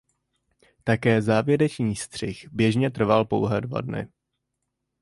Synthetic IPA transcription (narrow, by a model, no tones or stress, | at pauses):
t̪akɛːzaːvjɛɾɛt͡ʃɲiːst̪r̝̥ɪxbjɛʒɲɛt̪̬r̩valpo̰wɦɛːdva̰dnɪ̰